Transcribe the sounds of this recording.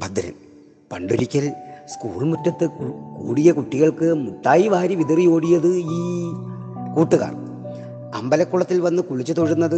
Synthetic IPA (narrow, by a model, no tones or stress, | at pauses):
pɐd̪ɐ̰ɾɐ̰m | pɐɳɖuɾikʲːɐlskuːɭmutːɐt̪ːɨkuːɽijɐkuʈːiɣɐɭkɨmut̪ːaːjiʋaːɾiʋiðirijo̞ːɽijɐðɨiː | kuːʈːuɣa̰ːr | ɐ̰mbɐlɐkːuɭɐt̪ːilʋɐnːɨkuɭit͡ɕːɨt̪oɻunːɐðɨ